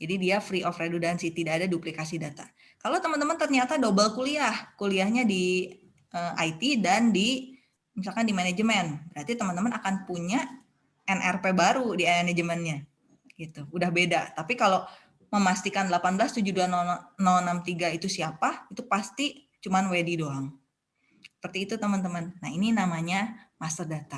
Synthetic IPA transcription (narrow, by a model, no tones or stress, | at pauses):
d͡ʒadidiafɾiʔɔfredudansit̪idaːdadiuplikasidat̪a̰ | kalot̪əmənt̪əmənt̪ərɲat̪adobəlkuliahkuliahɲadi | ʔəʔa̰jt̪idandi | misalkandimaned͡ʒəmɛnbəɾart̪it̪əmənt̪əmənakanpuɲa | ɛnʔɛrpebaɾudiɛnɛned͡ʒəmɛnɲa | ɡ̥it̪uudahbedat̪apikalo | məmast̪ikandlapanbəlast̪ud͡ʒuduanɔnɔlnamt̪iɡait̪usiapait̪upast̪i | t͡ʃumanwedidoaŋ | sə̥pərt̪iːt̪ut̪əmənt̪əmənːaɦininamaɲamasərdat̪a